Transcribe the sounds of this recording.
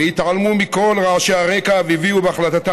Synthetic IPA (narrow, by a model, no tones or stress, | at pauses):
ehit̪ʕalmumiko̞lʁaʕʃeaʁe̞kaaviviubeaχlat̪at̪a